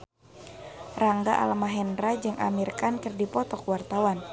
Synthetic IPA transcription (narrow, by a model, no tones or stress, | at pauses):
raŋɡaʔa̰lamaɦɛndɾad͡ʒɨŋʔa̰mirkankɨrdipɔt̪ɔkwart̪awan